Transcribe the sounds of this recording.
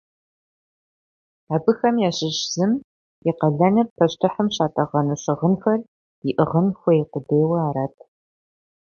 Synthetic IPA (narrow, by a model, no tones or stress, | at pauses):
aːbɨxɐmjaːɕɪʒz̥ɨm | iqɐɮɐnɨrpʰɐʃtʰɨħəmɕaːtʼɐʁɐnuɕɪʁənxɐr | iʔɨʁənxʷɔjqʊdeːwɐaːɾaːtʰ